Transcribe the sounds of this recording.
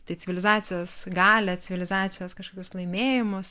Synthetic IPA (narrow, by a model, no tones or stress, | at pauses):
t̪ɐɪt͡sʲɪʋʲɪlʲɪzɑːt͡s̪ʲɪjoːsɡɑːlʲɛt͡s̪ʲɪʋʲɪlʲɪzɑːt͡s̪sʲɪjoːskɐʃkoːkʲʊslˠɐɪmʲeːjɪmʊs